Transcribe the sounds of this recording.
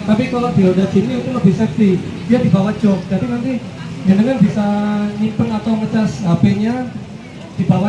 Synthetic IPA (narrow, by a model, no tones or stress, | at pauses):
t̪apikaladiodat͡ʃiniut̪uləbihsɛk̚si | d̥iadibawat͡ʃɔŋd̪adinant̪i | jandəŋanbisaɲimpənat̪awmət͡ʃasapeɲa | d̥ibawa